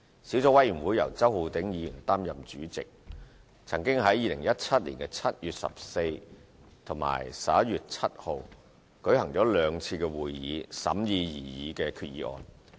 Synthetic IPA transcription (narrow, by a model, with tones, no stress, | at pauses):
siː˨˥wt͡sɔː˧˥wɐ˥jy˨˩nwu˨˥jɐ̰˨˩wt͡sɐ˥whu˨˧t̪ɪ˨˥ŋjiː˨˧jy˨˩nt̪aː˥mjɐ˨mt͡ʃyː˨˥t͡sɪ˨k̚ | t͡sʰɐ˨˩ŋkɪ˥ŋɦɐ˨˥jːiː˧lɪ˨˩ŋjɐ˥t̚t͡sʰɐ˥t̚liː˨˩nkɛ˧t͡sʰɐ˥t̚jyː˨t̚sɐ̰˨p̚se˧jt̪ʰʊ˨˩ŋma̰ː˨˩jsaː˨˥jyː˨t̚t͡sʰɐ˥t̚ho˨˧w | kɵ˨˥ɥɦɐ˨˩ŋt͡sɔː˨˥lœː˨˧ŋt͡sʰiː˧kɛː˧wuː˨jːiː˨˧sɐ̰˨˥mjiː˧jiː˨˩jiː˨˥kɛː˧kʰyː˧t̚jiː˨˧ʔɔ̰ː˨˧n